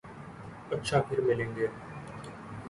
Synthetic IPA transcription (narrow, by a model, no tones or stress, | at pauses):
ɐtːʃʰapʰɪɾmɪlẽːŋɡeː